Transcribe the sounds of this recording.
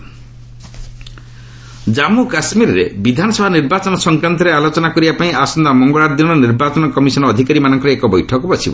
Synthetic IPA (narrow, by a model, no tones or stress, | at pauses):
d͡ʒamukasmiɾɔɾebid̪ʱanɔsɔbʱaniɾbat͡ʃɔnɔsɔŋkɾant̪ɔɾealot͡ʃɔnakɔɾibapaĩasɔnd̪amɔŋɡɔɭaɾd̪inɔɔniɾbat͡ʃɔnɔkɔmisɔnɔːd̪ʱikaɾimanɔŋkɔɾeekɔbɔjʈʰɔkɔbɔt͡ʃʰibɔ̰